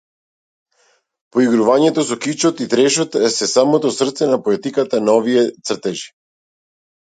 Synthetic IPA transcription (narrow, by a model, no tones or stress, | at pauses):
poiɡɾuvaɲɛt̪ɔsɔkit͡ʃɔt̪it̪ɾɛʃɔt̪sɛsamot̪ɔsr̩t̪sɛnapoɛt̪ikat̪anaovijɛt̪sr̩t̪ɛʒi̥